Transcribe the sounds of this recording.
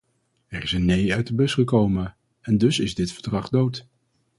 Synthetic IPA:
ɛrɪsənːejœɥtəbɵsχəkowmə | ɛndɵsɪzdɪtfəɹdrɑχdowt

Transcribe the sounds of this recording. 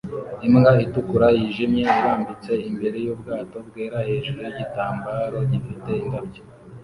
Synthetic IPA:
imŋɡaitukuɾajiʒimɲe̞iɾaːmbit͡se̞imbe̞ɾe̞juːbɡaːto̞bɡeːɾahe̞ːʒuɾujiɟitaːmbaɾoɟifite̞indabɟo

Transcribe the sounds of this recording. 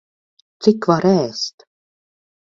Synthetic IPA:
t̪sikːvaɾɛːst̪

